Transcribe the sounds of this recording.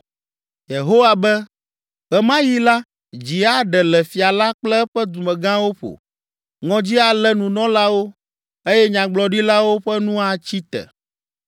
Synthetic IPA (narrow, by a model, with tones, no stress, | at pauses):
je˨ɦo˦wa˨bɛ˦ | ɣɛ˦mã˦ji˦la˦ | d͡ʑi˨a˦ɖɛ˨lɛ˨fi˨a˨la˦k͡plɛ˦ɸɛ˦d̪u˨mɛ̃˨ɡã˦wo˦ɸo̰˨ | ŋɔ̃˨d͡ʑi˦a˨lɛ˦nũ˨nɔ̃˦la˦wo˦ | e˦jɛ˦ɲã˨ɡ͡blɔ˨ɖi˦la˦wo˦ɸɛ˦nũ˦a˨t͡ɕi˦t̪ɛ̰˨